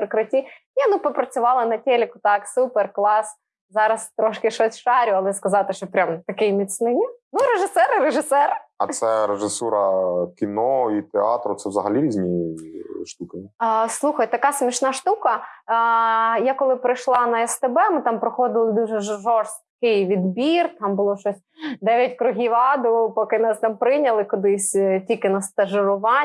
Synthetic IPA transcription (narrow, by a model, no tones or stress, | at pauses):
rkɾɐtʲi | iɐnupɔpɾɐt͡sʲʊʋɑlˠɐnɐtʲelʲɪkʊt̪ɑksuperklˠɑs | zɑɾɐst̪ɾɔʃkɪʃɔsʲʃɑɾʲʊɐlˠɛskɐzɑt̪ɪʃt͡ʃɔpɾʲamt̪ɐkɪjmʲit̪ʲsnɪnʲinuɾeʒɪsɛɾɪɾeʒɪsɛɾɪɐt̪sɛɾeʐɪsuɾɐkʲinɔit̪eɑ̰t̪ɾʊt̪sɛvzɐɦɐlʲiɾʲizʲnʲi | ʃt̪ukɪslˠuxɐjt̪ɐkɑsʲmʲiʃnɑʃt̪ukɐ | jakɔlˠɪpɾɪjʃlˠɑnɐɛst̪ebɛmɪt̪ɑmpɾɔxɔd̪ɪlˠɪd̪uʒɛʒʒɔrst̪̚kɪjʋʲid̪bʲirt̪ɑmbʊlˠɔʃɔsʲd̪ɛʋʲjɐt̚ʲkɾʊɦʲiʋɑd̪ʊpɔkɪnɑst̪ɑmpɾɪnʲɐlˠɪkʊd̪ɪsʲtʲikɪnɐst̪ɐʒɪɾʊʋɑ